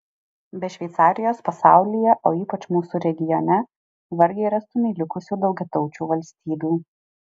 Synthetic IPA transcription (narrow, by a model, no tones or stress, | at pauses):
bʲɛʃʲʋʲɛɪt̪sɑːɾʲɪjoːspɐsɑˑʊlʲijɛʔoːiːpɐt͡ʃmuːsuːɾʲɛɡʲɪjɔnʲɛ | ʋɐɾʲɡʲɛɪɾɐst̪ʊmʲɛɪlʲɪkʊsʲuːd̪ɒʊɡʲɛt̪ɔʊt͡ʃʲuːʋɐlʲsʲt̪ʲiːbʲuː